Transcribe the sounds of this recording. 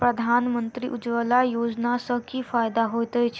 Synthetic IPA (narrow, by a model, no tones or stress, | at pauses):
pɾəd̪ʱanmənt̪ɾḭːʔud͡zʋəlajod͡znasəkiːfajd̪aɦojt̪əjt͡ɕ